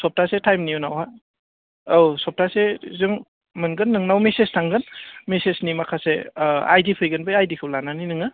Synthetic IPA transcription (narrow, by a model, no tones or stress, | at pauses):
sɔp̚tasetʰajmnijunawha | owsɔp̚tasezɯŋ | mɯnɡɯnːɯŋnawmesestʰaŋɡɯnmesesnimakʰasea̰jdipʰɯjɡɯnbɯjajdikʰɯwlananinɯŋɯ